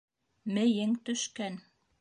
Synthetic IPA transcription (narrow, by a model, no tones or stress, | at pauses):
mɘ̆jɘŋt̪ɵ̆ʃkæn